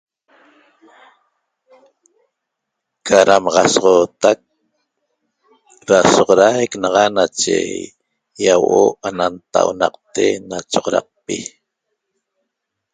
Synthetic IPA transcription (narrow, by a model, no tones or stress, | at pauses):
aɾamɑʁɑsʁoːt̪ak | ɾasoqoɾajknɑʁɑnat͡ʃḛ | jawʔoanant̪a̰wnɑ̰qt̪enat͡ʃoʁoɾɑ̰q̚pi